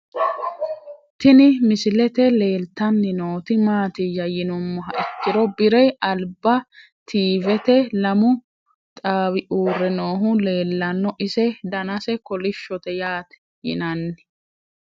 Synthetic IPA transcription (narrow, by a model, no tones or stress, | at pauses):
t̪ɪnɪmɪsɪlɛt̪ɛle̞ːlt̪ːɐnːɪnoːt̪ɪmaːt̪ɪjɐjɪnɔmːɔɦɐʔɪkːɪd̪ɔbɪɾɛjɐlbɐ | t̪ʰiːvɛt̪ɛlɐmʊ | t̪ʼaːwɪʔuːrːɛno̞ːɦʊle̞ːlːɐnːɔʔɪsɛd̪ɐnɐsɛkɔlɪʃːɔt̪ɛjaːt̪ɛ̥ | jɪ̰nɐnːɪ